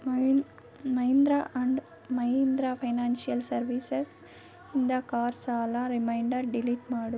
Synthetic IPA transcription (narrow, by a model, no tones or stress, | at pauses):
mɐjnd̪ɾaʔɐɳɖ | mɐjnd̪ɾapʰɐjnaːnsijɐlsɐɾʋises | ind̪ɐkaːɾsaːlaɾimɐjɳɖɐɾɖiliʈmaːɽu